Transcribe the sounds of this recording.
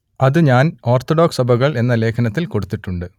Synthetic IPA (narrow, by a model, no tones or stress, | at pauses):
ɐðɨɲaːno̞ːrt̪ːoɖoːksɐbʱɐɣɐɭe̞nːɐle̞ːkʰɐnɐt̪ːilko̞ɽut̪ːiʈːuɳɖɨ